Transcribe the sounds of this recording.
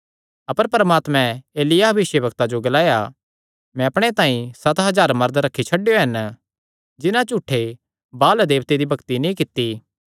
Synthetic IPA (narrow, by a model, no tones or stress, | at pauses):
ɐpəɾpɾəmaːt̪mɛ̃eːlɪjaɦɐʋɪʃjəbɐkt̪ad͡ʒoɡɐlaːja | mɛ̃ɐpɽ̃et̪ãːĩsɐt̪ɦɐzaːɾmɐɾd̪ɾɐkʰːit͡ʃʰɐɖːejoɦɐn | d͡ʒɪnãt͡ʃuːʈʰːe | baːld̪eːʋt̪ed̪ibʱɐkt̪inĩkɪt̪ːi